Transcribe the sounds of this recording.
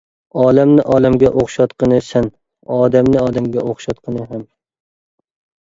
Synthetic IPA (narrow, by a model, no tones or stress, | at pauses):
ɒːlamnɪʔɒːlamɡʲɛʔoχʃɑt̪qʰɨnɨsan | ɒːd̪amnɪɒːd̪amɡʲɛʔoχʃɑt̪qʰɨnɨɦam